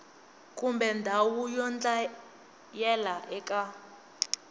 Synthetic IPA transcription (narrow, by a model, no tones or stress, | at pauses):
kʼumbʱɛndʱawujɔnd͡ɮʼa | jɛlaʔɛkʼa